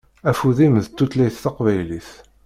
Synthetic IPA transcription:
æfuðimðt̪ːut̪læjθθɑqvæjliθ

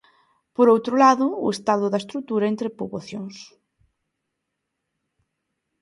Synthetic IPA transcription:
poɾowt̪ɾʊlaðʊ̰ːest̪aðʊðaɐest̪ɾut̪uɾaent̪ɾepoβoθjoŋs

